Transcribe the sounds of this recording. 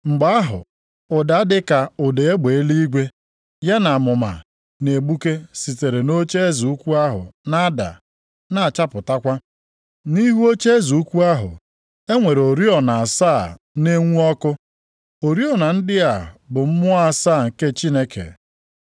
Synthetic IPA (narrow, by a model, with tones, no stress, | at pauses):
ŋ͡m̩˨ɡ͡ba˦a˦ɦʊ̰˨ | ʊ˨da˨a˦dɪ˦ka˨ʊ˨de˨e˦ɡ͡be˨e˦li˦i˦ɡʷe˦ | ja˦na˨mʊ˨ma̰˨ | ne˨ɡ͡bu˦ke˦si˨te˨ɾe˨no˦t͡ʃe˦zu˨u˦kʷu˦a˦ɦʊ̰˨na˦da̰˨ | na˨a˨t͡ʃa˦pʊ˨ta˦kʷa˦ | ni˦ɦu˦o˦t͡ʃe˦zu˨u˦kʷu˦a˦ɦʊ̰˨ | e˦ŋʷe˨ɾo˨ɾi˦ɔ˨na˨a˨saː˦˨ | ne˦ŋʷu˦ɔ˦kʊ˦ | o˨ɾi˦ɔ˨na˨n̩˦dɪ˦a˨bʊ˨m̩˦mʊ˦a˦saː˦˨ŋ̩˨ke˦t͡ʃi˦ne˦kʰḛ˨